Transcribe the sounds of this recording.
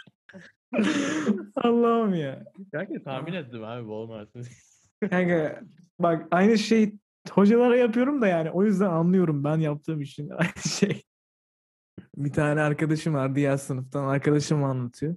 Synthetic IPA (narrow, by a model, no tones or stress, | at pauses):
alˠːaɯmjabælct̪ʰaːminet̪ːimhabibolˠmaɾt̪ɯ | haka | bakajnɯʃej | ho̞d͡ʒalˠaɾajapɯjo̞ɾumd̪ajaːniʔo̞jyzd̪ænanlˠɯjo̞ɾumbænjap̚t̪ʰɯmiʃina̰jnɯʃej | bit̪ʰaːnɛaɾkad̪aʃɯmvaɾd̪ijæɾsɯnɯft̪ʰanaɾkʰad̪aʃɯmanlˠat̪ʰɯjo